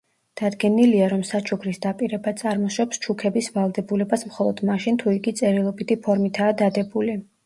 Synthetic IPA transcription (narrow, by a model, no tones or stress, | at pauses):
d̪̥ad̪ɡɛniliaɾɔmsat͡ʃʰukʰɾisd̪apʼiɾɛbat̪sʼaɾmɔʃwɛpst͡ʃʰukʰɛbisvalˠd̪ɛbulɛbasmχɔlˠɔd̪̥maʃint̪ʰuiɡit̪sʼɛɾilˠɔbit̪ʰipʰɔɾmit̪ʰaːd̪ad̪ɛbuli